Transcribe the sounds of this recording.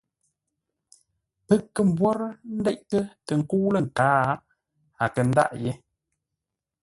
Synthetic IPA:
pə˦kːə˦˨m̩˨bwɔ˦ɾn̩˦dɛ˦ʔ̚kə˦tə˨ŋ̩˨ku˦lə˦˨ŋ̩˨kaː˨˦ | a˨kə˨n̩˦da̰˦ʔje˦

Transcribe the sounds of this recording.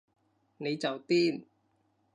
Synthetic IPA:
ni˨˦˥t͡ɕa˨˩wt̪iː˥˩n

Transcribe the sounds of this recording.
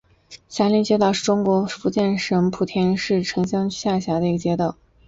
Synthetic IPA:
ɕja˧˥li˧˥t͡ɕjɛ˥t̪ɑ˥˧ʊʂɻ̩˥˩ʈ͡ʂʊ˥ŋkwɔ˧˥fu˧˥t͡ɕjɛ˥˩nʂɤ˧˥ŋpʰu˨˩t̪ʰjɛ˥nʂɻ̩˥˩ʈ͡ʂʰɤ˧˥ŋɕjɑ˥ŋ˥ɕja˥˩ɕja˧˥d̪ə˧i˧˥ɡə˧t͡ɕjɛ˥t̪ɑ˥˩ʊ

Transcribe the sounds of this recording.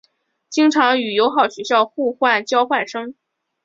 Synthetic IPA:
t͡ɕi˥ŋʈ͡ʂʰɑ˧˥ŋy˨˩jo˧˥ʊxɑ˨˩ʊɕɥɛ˧˥ɕjɑ˥˧ʊxu˥˧xwa˥˩nt͡ɕjɑ˥ʊxwa˥˩nʂɤ˥ŋ

